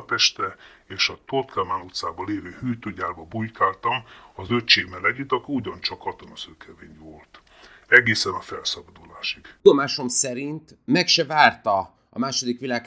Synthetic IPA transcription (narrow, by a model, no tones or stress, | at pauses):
p̪ɛʃt̪ɛeːʃɒt̪ort̪kamaːnut̪saːbɒleːvøːhyːjt̪øːɟaːrbɒbujkaːlt̪ɒmɒzøt͡ʃeːmɛlɛɟit̪ɒkiuɟɒnt͡ʃɒkʰːɒt̪onɒsøːkʰɛveːɲvolt̪ | ɛɡeːsɛnɒfɛlsɒbɒd̪ulaːʃik̪o̞maːʃo̞msɛɾint̪mɛkʃɛvaːrt̪ɒ | ɒ̰maːʃo̞d̪ikʋilaːk